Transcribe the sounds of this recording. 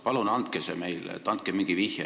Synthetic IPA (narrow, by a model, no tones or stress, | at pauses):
pɑlunɑnt̪̚keseme̞jlḛt̪ːˑɑnt̪̚kemiŋɡ̥ivihjɑ